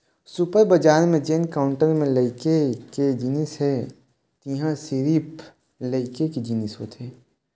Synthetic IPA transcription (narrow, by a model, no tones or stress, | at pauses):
supəɾbəd͡ʒaːɾmẽd͡ʒeːnkaːʊ̃ɳʈəɾmẽləɪkeked͡ʒinisɦɛ | t̪iɦãsiɾiːp | ləɪkeked͡ʒinɪsot̪ʰeː